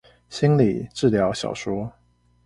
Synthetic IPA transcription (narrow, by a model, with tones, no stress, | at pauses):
ɕi˥nli˨˩ʈ͡ʂɻ̩˥˩ljɑ˧˥ʊɕjɑ̰˨˩ʊʂwɔ˥